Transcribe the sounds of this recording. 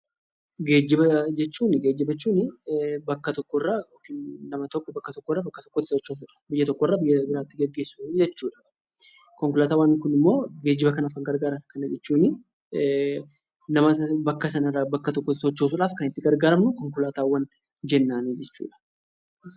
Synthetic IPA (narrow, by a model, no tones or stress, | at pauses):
ɡe̞ːd͡ʒɪbɐd͡ʒɛt͡ʃːuːnɪɡe̞ːd͡ʒːɪbɐt͡ʃːuːnɪbɐkːɐt̪ɔkːɔrːa | nɐmɐt̪ɔkːbɐkːɐt̪ɔkːɔrːabɐkːɐt̪ɔ̥kːɔt̪ːɪ̥sɔt͡ʃːoːsʊᶑɐ̥bɪjːɐt̪ɔkːɔrːaːbɪjːɐbɪɾaːt̪ːɪɡɐɡːe̞ːsːud͡ʒɛt͡ʃːuːᶑɐ̥ | kɔŋkʊlaːt̪aːwɐnkʊnɪmːo̞ːɡe̞ːd͡ʒːɪbɐkɐnɐfkɐŋɡɐɾɡaːɾɐnkɐnɐd͡ʒɛt͡ʃːuːnɪ | nɐmɐbɐkːɐsɐnɐɪrːabɐkːɐt̪ɔkːɔt̪ɪsɔt͡ʃːoːsʊᶑaːfkɐnɪt̪ːɪɡɐɾɡaːɾɐmnʊkɔŋkʊlaːt̪aːwːɐn | d͡ʒɛnːaːnid͡ʒɛt͡ʃːṵːᶑɐ̥